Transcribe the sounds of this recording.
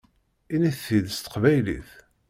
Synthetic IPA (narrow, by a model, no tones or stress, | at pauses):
iniθːiðst̪ə̥qvæjlḭθ